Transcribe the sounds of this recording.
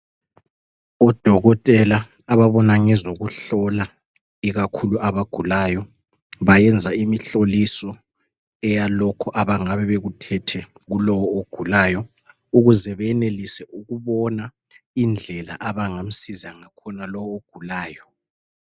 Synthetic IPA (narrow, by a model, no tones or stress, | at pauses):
ɔd̥ʱɔɣɔtʼɛlaː | βaβɔnaŋɛzoɣuɬɔla | iɣakʰuluʔaβaɡ̥ʱulaːjɔ | βajɛnd͡zʱaimiɬolisɔ | ɛjalɔkʰɔʔaβaŋaβɛβeɣutʰɛtʰɛ | ɣulɔwɔoɡ̥ʱulaːjɔ | uɣuzɛβɛjɛnelisɛuɣuβɔna | ind͡ɮʱɛla̰ʔaβaŋam̩sizaŋakʰɔnalɔwɔoɡ̥ʱulaːjɔ